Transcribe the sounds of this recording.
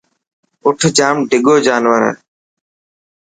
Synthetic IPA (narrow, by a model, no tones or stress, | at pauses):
ʊʈʰd͡ʒaːmɖɪɠoːd͡ʒaːnʋəɾɛ̰ː